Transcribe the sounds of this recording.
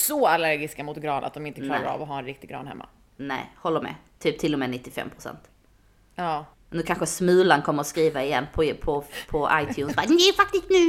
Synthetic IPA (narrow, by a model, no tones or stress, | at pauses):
sɔalæɾɡɪskamʊt̪ɡɾɑːnʔa̰t̪̚d̪ɔmɪnt̪ək̪ɑːɾaɾa̰vɔɦaɾɛnɾɪkt̪ɪɡɾɑ̰ːnhɛ̰mːa̰ | nɛ̰ɪhɔlːəɾmɛ̰ːt̪ʰyːp̚t̪ʰɪlːɔmɛːnɪt̪ːɪfɛ̰mːpʰɾʊsɛ̰nt̪ | ɑː | nʉ̟ːkʰanɧəsmʉ̟ːlankʰɔmːəɾɔskɾiːvaɪjɛnːpʰɔpʰɔpʰɔʔa̰jt̪ʰjʉːnsbad̪d̪ɛfakt̪ɪst̪nʉ̟ː